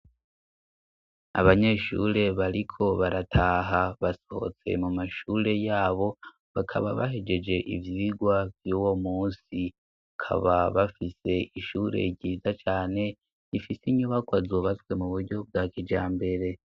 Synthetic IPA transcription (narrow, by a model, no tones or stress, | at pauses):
a̰βaɲe̞ʃṵɾe̞βaɾikʰo̞βaɾatʰaːɦaβasoho̰t͡se̞̰mumaʃuːɾe̞jaːβo̞ | βakʰa̰βaβa̰ɦe̞d͡ʒe̞d͡ʒe̞ʔḭvjiːɡwavjuwomuːnsi | akʰa̰βaβafise̞iʃuɾe̞̰ɟɟiːzat͡ʃaːne̞ | ifisiɲuβakwazoβatwe̞muβuɾɟo̞b̚ɡaːkid͡ʒaːmbe̞ɾe̞